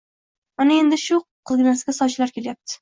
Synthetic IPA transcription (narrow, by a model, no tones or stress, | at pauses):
manae̞nd̪ɪʃʊqʰɨlˠɡʲɪnasɡʲasɒt͡ʃʰɪlaɾkʲʰe̞ljap̚t̪ʰɪ̥